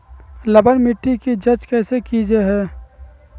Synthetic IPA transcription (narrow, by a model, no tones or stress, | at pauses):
ləbənmɪʈːikid͡ʒət͡ʃkɛːsekid͡ʒeɦɛː